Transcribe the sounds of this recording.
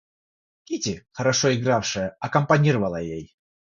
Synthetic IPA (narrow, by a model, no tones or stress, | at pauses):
kʲitʲɪxəɾɐʂoɪɡɾafʂɨjəɐkɐmpɐnʲiɾəvɐlˠəjej